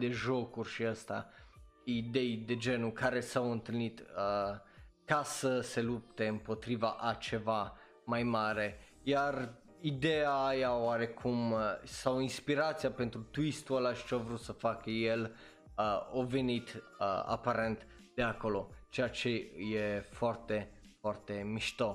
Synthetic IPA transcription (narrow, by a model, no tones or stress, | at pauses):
d̪e̞ʒo̞kurʲʃiəst̪a | id̪e̞jd̪e̞d͡ʒe̞nukaɾe̞sawɨnt̪ɨlnit̪ə | kasəse̞lup̚t̪e̞ɨmpo̞t̪ɾivaʔat͡ʃe̞va | majmaɾe̞ | jar | id̪eaːjaoaɾe̞kʰumsawinspiɾat̪siape̞nt̪ɾut̪uist̪ualaʃt͡ʃeavɾut̪səfakəjel | əovenit̪ | əa̰paɾe̞nt̪ | d̪̥e̞ako̞lo̞t͡ʃejat͡ʃe̞jefoart̪e̞ | foart̪e̞miʃt̪o